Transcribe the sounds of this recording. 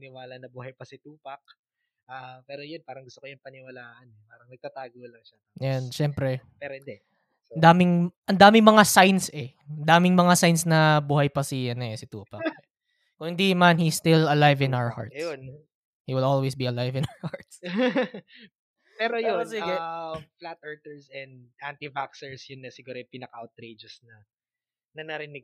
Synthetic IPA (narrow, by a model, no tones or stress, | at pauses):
nɪwaːlɐnɐbuːhɐjpɐsɪt̪uːpɐk̚ | ʔapɛːɾojonpaːɾɐŋɡʊst̪okojʊŋpɐnɪwɐlaːʔɐnpaːɾɐŋmɐɡ̚t̪at̪aːɡolɐŋʃa | janʃɛmpɾɛpɛɾoɪnd̪ɛ | ɐnd̪aːmɪŋʔɐnd̪aːmɪŋmɐŋasajnsɛ | ɐnd̪aːmɪŋmɐŋasajnsnɐbuːhɐjpɐsɪjɐnɛsɪt̪ṵːpɐk | kʊŋhɪnd̪imɐnhist̪ɪlɐlajvɪ̃nawə˞ha̰ɹt̪json | hiːwɪlolwesbiɐlajvɪ̃nawəhaɹt̪s | pɛɾojosiɡɛflat̪̚ʔɛɹt̪ɛɹsɛnd̪ʔant̪ivaksɛɹsjʊnːɐsɪɡuːɾopinɐkɐʔawt̪̚ɾed͡ʒɛsnɐ | nɐnɐɾɪnɪɡ̚